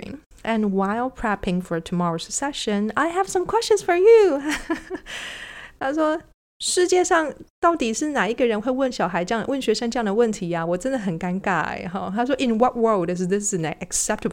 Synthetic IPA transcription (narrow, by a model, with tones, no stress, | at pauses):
ɪ̰̃ŋ | ʔɨ̃nwaɪlˠpʰɹ̥æpɪ̃ŋfə˞˨tʰu˨mɑɹo˨ʊsə̥ksɛʃə̃naɪɦəv̥sʌ̃˨mkʰw̥ɛst͡ʃə̃nsfə˞˨ju | t̪ʰa˥ʂwɔ˥ | ʂɻ̩˥˧t͡ɕjɛ˥˧ʂɑ˥˧ŋt̪ɑ˥˩ʊt̪i˨˩ʂɻ̩˥˩na˨˩i˧˥ɡə˨ɻə˧˦nxwe˥ɪwə˥˩nɕjɑ˨˩ʊɦa˧˦ɪ˥˨wə˥˩nɕɥɛ˧˥ʂə˥ŋʈ͡ʂə˥jɑ˥˩ŋd̪ə˩wə˥˩nt̪ʰi˧˥a˨wɔ˨˩ʈ͡ʂə̃˦nd̪ə˨ɦə˨nka˦˥nka˨˩ɪɦɔ˥˧t̪ʰa˥ʂ̬wɔ˥ʔɪ̃˨nwʌ˨t̚wɜ˞lˠdɪs̬ðɪs̬ɨnə̰ʔɨ˨ksɛp̚təb